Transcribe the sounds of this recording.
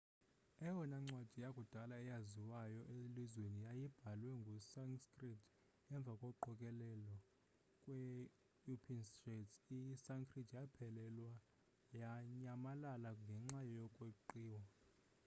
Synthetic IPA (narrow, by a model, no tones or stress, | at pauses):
ɛwɔnaŋ͡ǀwad̥ʱijakʼud̥ʱalaɛjaziwajɔʔelizwenijajib̥ʱalwɛŋɡʱusaŋskʼritʰ | ɛɱb̪vʱakʼɔǃɔkʼɛlɛlɔ | kʼwɛ | jupʰinsretsisaŋkʰʼritʰjapʰɛlɛlwa | jaɲamalalaŋɡʱɛŋ͡ǁajɔjɔkʼweuǃiːwa